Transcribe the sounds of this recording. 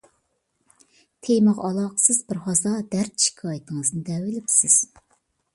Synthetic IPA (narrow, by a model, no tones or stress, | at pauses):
t̪ʰejmɨʁɑlˠɑːqʰə̥sɨzbɪɾhɑzɑd̪æɾt̪ʃi̥kʰɑːjit̪ʰɨŋəznɨd̪ɛwɪlɪpsɪz̥